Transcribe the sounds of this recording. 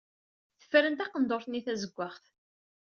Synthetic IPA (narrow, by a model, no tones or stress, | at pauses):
θə̥fːɾənt̪æqənd̪oɾθniθæzəɡʷːaχθ